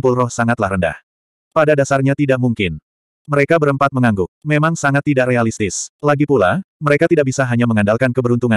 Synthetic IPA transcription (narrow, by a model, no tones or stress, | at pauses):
mpʊlrɔhsaŋat̪lahɦɾənda̰h | padadasarɲat̪idaʔmuŋkɪn | məɾekabəɾəmpat̪̚məŋaŋɡʊk̚memaŋsaŋat̪ːidaʔrealist̪ɪslaɡipulaməɾekat̪idaʔ̚bisaɦaɲaməŋandalkankəbəɾunt̪uŋa